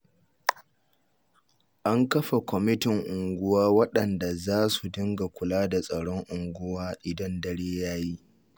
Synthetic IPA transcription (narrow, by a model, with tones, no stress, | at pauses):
ʔa˦ŋkɐ˦ɸa˨kʷɔ˨mɪ˦tɪ˨ŋʔʊ˨ŋɡʷʊ˦waː˦wɐ˦ɗɐ˨nda˨zaː˦su˨dɪ˦ŋɡa˨kʷʊ˨laː˦da˨sʼɐ˨ɽɔ˦ŋʔʊ˨ŋɡʷʊ˦waː˦ʔɪ˨dɐ˦ndɐ˦ɽeː˦jaː˦ji˦ʔ